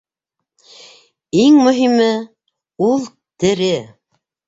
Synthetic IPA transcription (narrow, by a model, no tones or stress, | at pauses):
iŋmɵ̆ɦimɘ | ulˠ | t̪ɘ̆ɾɘ